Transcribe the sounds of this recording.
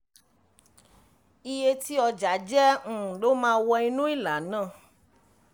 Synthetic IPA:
i˦je˦t̪i˦ɔ˧d͡ʒa˨˦d͡ʒɛ˦ŋ̩̃˨ɖo˦mã˦wɔ˧i˦nũ˦i˦la˨nã˦˨

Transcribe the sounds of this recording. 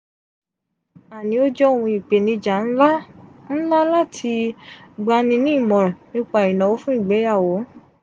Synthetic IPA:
a˨nĩ˨˦o˦d͡ʒɔ˦o˦˨ũ˧i˨k͡pe˨nĩ˧d͡ʒa˨n̩˦la˦n̩˦la˦la˦tʰi˧ɡ͡ba˧nĩ˧nĩ˦i˦˨mɔ̃˨ɾɔ˨nĩ˦k͡pa˦˨i˨nã˨wo˦fũ˦i˦˨ɡ͡bɛ˨˦ja˦˨wo˨˦

